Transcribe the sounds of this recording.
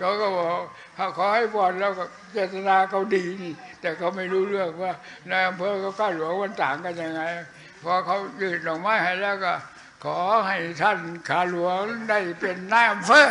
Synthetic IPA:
kɔː˧˥˩kaː˧˩bɔː˨˩k | kʰa˧˩kʰɔː˨˦ha˥˩jpɔː˨˧˩nlɛː˦˥˩wkɔ˧˩ | t͡ɕeː˧˩t̪a˧naː˧kʰa˧˥˩wdiː˧niː˧˥˩t̪ɛː˨˩kʰa˧˥˩wma˧˥˩jɾuː˦˥lɯ˥˩ək̚waː˧˥˩ | na˧˥˩jʔa˧mpʰɤː˧˥kʰa˦˧˩kʰaː˧˩lu˨˩˦əŋwa˧˥˨nt̪aː˨˦ŋka˧nja˧ŋːa˧j | pʰɔː˧˥˩kʰa˦˥wjɯː˧˩t̚nɔː˨˩ŋ̚maː˦˧˥jha˧˩jlɛː˦˧˥wkɔ˧˩ | kʰɔː˩˨˦ɦa˥˩jt̪ʰa˥˩nkʰaː˧˩lu˨˦əŋda˥˩jpe˧nːa˧˥jʔa˧mpʰɤː˧˥˨

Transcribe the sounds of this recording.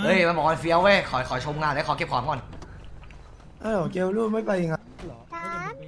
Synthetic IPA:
ʔɤː˧˥˩jma˧nbɔː˨˩ma˧fi˧ə˧we˦˥˩kʰɔː˩˦jkʰɔː˩˦jt͡ɕʰo˧mŋaː˧˨nlɛ˦˥kʰːke˧˩p̚kʰaː˨˩˦ŋɔ˧˩n | ʔa˧˩lɔ˨˩ke˧wluː˥˩ma˥˩jpa˧ja˧˩ŋa˧˥lɔː˨˦˧

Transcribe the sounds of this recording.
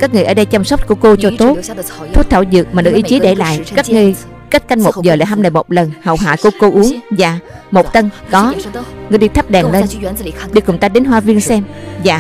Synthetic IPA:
ka˦˥k̚ŋɨ˨˩əʔəː˧˩˦ɗə˧jt͡ɕmsa˦˥wk͡p̚ku˧˩əko˧t͡ɕɔ˧t̪o˦˥tt̪ʰu˦˥t̚t̪ʰaː˧˩wzɨ̰˨˩ək̚maː˨˩nɨ˨˩k̚ʔi˧˩˦t͡ɕi˨˦ɗe˧˩la̰ː˧˨jkaː˦˥k̚ŋɨ˧əj | ka˦˥t̚ka˧jŋmo˨˩t̚zəː˨˩la̰ː˧˩jɦa˧mnəː˨˩jmo˨˩t̚lə˨˩nhə̰˨˩wɦa̰ː˧˨jku˧˩əko˧ʔu˨˦əŋzaː˨˩ | mo˨˩t̚t̪ə˧nkɔ˨˦ŋɨ˧jɗi˧t̪ʰə˦˥p̚ɗɛ˨˩ŋle˧n˧ɗi˧kʊ˨˩ŋ͡mt̪aː˧ɗe˨˦nɦwaː˧vi˧ənsɛ˧mzaː˨˩

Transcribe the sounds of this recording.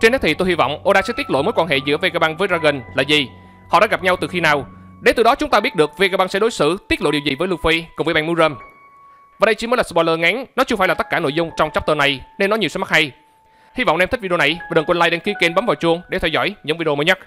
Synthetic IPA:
t͡ɕe˧nə˦˥t̪̚ʰi˨˩t̪o˧jhi˧vɔ̰˧˨wŋ͡mʔo˧ɗaː˧sɛ̰˧˥t̪i˦˥t̚lo̰˧˨jmo˨˦jkwaː˧nɦḛ˧˨zɨ̰˧˥əve˧kaː˧˩ɓaː˧ŋvəː˨˦jzaː˧ɣə˨˩ŋ̟laː˨˩zi˨˩ | hɔ̰˧˨ɗ̰aː˧˦ɣa˨˩p̚ɲa˧wt̪ɨ˨˩xi˧naː˨˩wɗe˨˦t̪ɨ˨˩ɗɔ˨˦t͡ɕʊ˨˦ŋ͡mt̪aː˧ɓi˦˥ət̚ɗɨ˨˩ək̚ve˧kaː˧ɓa˧ŋsɛ̰˧˥ɗo˨˦jsɨ̰˧˥t̪i˦˥t̚lo̰˧˨ɗi˨˩əwzi˨˩vəː˨˦jlu˧fi˧kʊ˨˩ŋ͡mvəː˨˦jɓa˧ŋmu˧˦zəː˧m | vaː˨˩ɗə˧jt͡ɕi˧˦mə˨˦laː˨˩sɓɔ˧jləː˧ŋɛ˨˦ŋnɔ˨˦t͡ɕɨ˧faː˧˩jlaː˨˩˦kaː˧˩no̰˧˨jzʊ˧ŋ͡mt͡ɕɔ˧wŋ͡mt͡ɕa˦˥k͡p̚t̪əː˧˩na˨˩jne˧nːɔ˨˦ɲ˨˩əwsɛ˨˦m̚˦˥ha˧j | hi˧vɔ̰˧˨wŋ͡mʔɛ˧mt̪i̟˦˥vi˧na˨˩jva˨˩ɗə˨˩kwə˧nlaː˧jɗe˧nki˧ke˧nɓa˨˦mvaː˨˩wt͡ɕʊ˧əŋɗe˧˩t̪ʰɛ˧wzɔ̰˧˩jɲɨ̰˧˥ŋvi˧mə˨˦jɲa˦˥t̚

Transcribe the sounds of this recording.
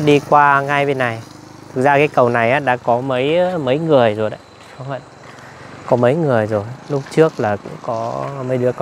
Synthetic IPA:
ɗi˧kwaː˧ŋa˧jɓe˧nːa˨˩j | t̪ʰɨ˨˩k̚zaː˧kaː˨˦jkə˨˩wna˨˩jʔaː˨˦ɗa̰ː˧˥kɔ˨˦mə˨˦jmə˨˦jŋɨ˨˩əjzo˨˩jɗə̰˨˦j | ɗɔ˨˦hə̰˧˨n | kɔ˨˦mə˨˦jŋɨ˨˩əjzo˨˩jlʊ˦˥k͡p̚t͡ɕɨ˦˥ək̚laː˨˩kʊ̰˧˥ŋ͡mkɔ˨˦mə˨˦jɗɨ˨˧˦əkə˧

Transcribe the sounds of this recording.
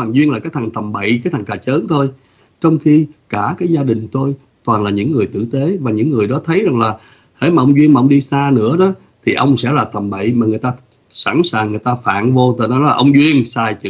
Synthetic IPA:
waː˨˩ŋzwi˧ənlaː˨˩kaː˨˦jt̪ʰa˨˩ŋt̪ʰə˨˩mɓə̰˧˨jkaː˨˦jt̪ʰa˨˩ŋkaː˨˩t͡ɕəː˨˦nt̪ʰo˧j | t͡ɕɔ˧wŋ͡mxi˧kaː˧˩kaː˨˦jzaː˧ɗï˨˩ŋ̟t̪o˧j | t̪waː˨˩nlaː˨˩ɲɨ̰˧˥ŋːɨ˨˩əjt̪ɨ̰˧˨t̪e˨˦vaː˨˩ɲɨ̰˧˥ŋːɨ˨˩əjɗɔ˨˦t̪ʰə˨˦jza˨˩ŋlaː˨˩ | hḛ˧˥maː˨˩ʔə˧wŋ͡mzwi˧ənmaː˨ʔə˧ŋ͡mɗi˧saː˧nɨ̰˧˥əɗɔ˨˦ | t̪ʰi˨˩ʔə˧wŋ͡msɛ̰˧˥laː˨˩t̪ʰə˨˩mɓə̰˧˨jmaː˨˩ŋɨ˨˩əjt̪aː˧ | sa̰˧˩˥nsaː˨˩ŋːɨ˨˩əjt̪aː˧fa̰ː˧˨nvo˧t̪ɨ˨˩nɔ˨˦nɔ˨˦la̰ː˨˧ʔwŋ͡mzwi˧ənsaː˧jt͡ɕɨ˧˥

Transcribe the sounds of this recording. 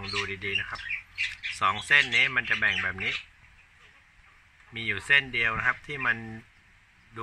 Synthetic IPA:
ŋduː˧diː˧diː˧na˦˥kʰa˦˥p̚sɔː˩˦ŋse˥˩nːiː˦˥˩ma˧nt͡ɕa˨˩bɛ˨˩ŋbɛː˨˩p̚niː˦˥ | miː˧juː˨˩se˥˩ndi˧əwna˦˥kʰa˦˥p̚t̪ʰiː˥˩ma˧n | duː˧

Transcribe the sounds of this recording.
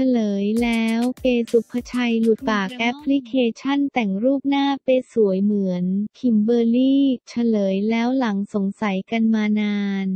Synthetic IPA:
t͡ɕʰa˧lɤː˩˦jlɛː˦˥wkeː˧su˨˩pʰːa˧t͡ɕʰa˧jlu˨˩t̪̚paː˨˩k̚ʔɛ˦˥pʰːli˦˥kʰeː˧t͡ɕʰa˥˩nt̪ɛ˨˩ŋɾuː˥˩p̚naː˥˩pa˧jsu˨˩˦əjmɯ˩˦ənkʰi˨˩˦mbɤː˧liː˥˩t͡ɕʰa˧lɤː˩˦jlɛː˦˥wla˩˦ŋso˩˦ŋsa˩˦jka˧nmaː˧naː˧n

